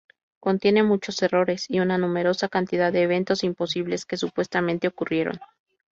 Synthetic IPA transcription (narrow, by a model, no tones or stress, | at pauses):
ko̞nt̪je̞ne̞mut͡ʃo̞se̞ro̞ɾe̞siunanũme̞ɾo̞sakant̪iðaðe̞ːβ̞e̞nt̪o̞simpo̞siβle̞ske̞supwe̞st̪amẽnt̪e̞okurje̞ɾo̞̰n